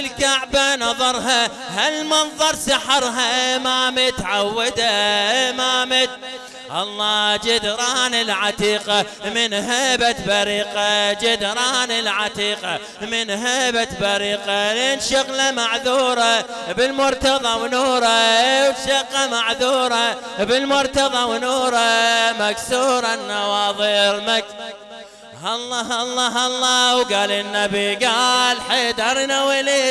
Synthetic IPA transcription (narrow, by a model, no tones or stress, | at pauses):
ɪlkaʕbanɑðˤɑɾˤɦa | halmɑnðˤɑɾˤsɑħɑɾˤɦaʔmaːmat̪ʕawːɪd̪aɪmaːmɪt̪ | ʔɑlˤːɑːd͡ʒad̪ɾˤɑːnɪlʕat̪iːqa | mɪnɦabat̪baɾiːqad͡ʒad̪ɾˤɑːnɪlʕat̪ˤiːqa | mɪnɦabat̪baɾiːqaleːnʃʊɣlamaʕðuːɾˤa | bɪlmʊɾt̪ɑðˤɑwnuːɾˤawʃaqːamaʕðuːɾˤa | bɪlmʊɾt̪ɑðˤɑwnuːɾˤamaksuːɾˤɑnːɑwɑːðˤiːɾmak | hɑlːɑɦɑlˤːɑɦɑlˤːɑwɡaːlɪnːabiɡalħed̪ɑɾnawɪli